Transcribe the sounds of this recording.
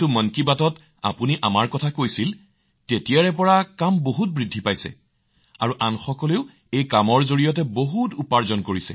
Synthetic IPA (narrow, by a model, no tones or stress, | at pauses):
tumɔnkibatɔt | a̰puniʔamaɹkɔtʰakojsil | tetijaɹɛp̬ɔɹakamboɦut̚bɹidʱːipajsɛ̰ | aɹuʔanxɔkɔleʊ | ejkamɔɹzoɹijɔtɛboɦutupaɹzɔnkoɹisɛ̰